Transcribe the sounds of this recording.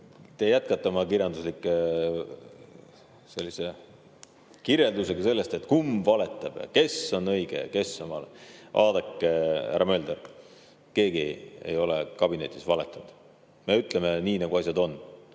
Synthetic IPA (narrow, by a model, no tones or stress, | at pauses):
t̪e̞jæt̪̚kɑt̪ˑːeomɑkiɾjɑnd̪uslikːˑe | se̞lːise | kirje̞ld̪use̞ɡɑse̞lːest̪e̞t̪ːˑkumbvɑle̞t̪ːˑɑb̥jɑ̰ke̞so̞nɤjɡ̥ḛke̞sːɑnmɑleʔɑːd̪ekːeæ̰ɾɑmø̞ld̪eɾ | ke̞ːɡiḛjo̞lekɑb̥ine̞t̪ʲːˑisvɑle̞t̪ːˑunud̪̥ | me̞yt̪ːˑle̞meniːnɑɡ̥uɑsʲjɑd̪o̞nː